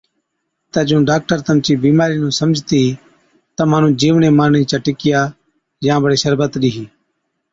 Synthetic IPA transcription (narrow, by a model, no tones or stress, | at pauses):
t̪aːd͡ʒũːɖaːk̚ʈəɾt̪əmt͡ʃiːbiːmaːɾiːnũːsəmd͡ʒʱt̪iːɦiː | t̪əmaːnũːd͡ʒiːʋɳeːmaːɳiːt͡ʃaːʈɪkɪjaː | jãːbəɽeːʃəɾbət̪ɗiːɦiː